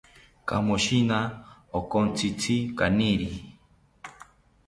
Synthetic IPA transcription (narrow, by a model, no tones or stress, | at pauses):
ka̰muʃinaokont͡sʰit͡sʰikaniɾi